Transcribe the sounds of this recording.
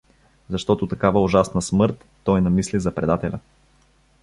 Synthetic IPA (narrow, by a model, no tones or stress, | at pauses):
zɐʃt̪ɔt̪ʊt̪ɐkavəʊʒasnɐsmɤɾt̪ːɔjnɐmislizɐpɾɛd̪at̪ɛlʲɐ